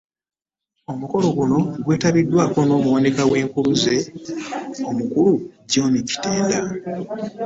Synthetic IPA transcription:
o̞muko̞lo̞ɡuno̞ɡwe̞ːtaβidːwaːko̞no̞ːmuwanekawe̞ːŋkuluze̞ | omukuluɟo̞ːnici̥teːnda

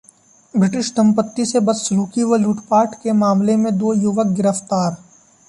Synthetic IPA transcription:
bɾɪʈɪʃsɐ̃mpət̪ːisebɐsluːkiʋɐluːʈpaːɾʈkemaːmlemẽd̪oːjʊʋək̚ɡɪɾəft̪aːɾ

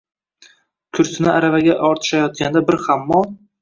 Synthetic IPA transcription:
kʲʰʊɾsɪnɪaɾavaɡʲaʔɒɾt̪ʰɪ̥ʃajɒt̪̚kʲand̪abɪɾhamːɒn

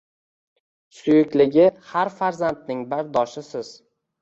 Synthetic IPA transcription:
sʊjɪkʲlɪɡʲɪhaɾfaɾzant̪̚nɪŋbaɾd̪ɒʃɪsɪz̥

